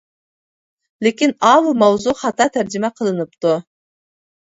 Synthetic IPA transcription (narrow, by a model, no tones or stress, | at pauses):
lekʲinɑwmɑwzuχɑt̪ɑt̪ʰæɾd͡ʒimɑqʰəlˠɯnɯpt̪u